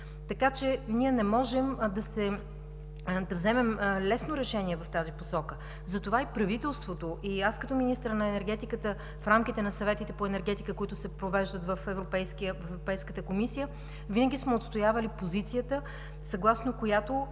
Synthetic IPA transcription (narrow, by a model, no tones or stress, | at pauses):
t̪ɐkat͡ʃɛniɛnɛmɔʒɛmd̪ɐsɛ | d̪ɐvzɛmɛmlɛsnoɾɛʃɛniɛvɐft̪aziposɔkə | zɐt̪ovaipɾɐvit̪ɛlˠst̪vot̪oʔiaskət̪ɔminist̪ɾənɐɛnɛɾɡ̟ɛt̪ikət̪ə | fɾamkit̪ɛnɐsɐvɛt̪it̪ɛpoɛnɛɾɡɛt̪ikəkoit̪ʊsɛpɾovɛʒd̪ət̪vɐfɛvɾopɛjskiəvɐvɾopɛjskət̪əkomisijə | vinəɡ̟ʲismɛot̪st̪ojavɐlipozit̪sijət̪ə | sɐɡlˠasnokojat̪o